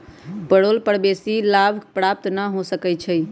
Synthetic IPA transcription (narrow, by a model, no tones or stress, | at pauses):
pəɽolpəɽbesilabʱpɾap̚t̪nəɦosəkɛt͡ʃʰəj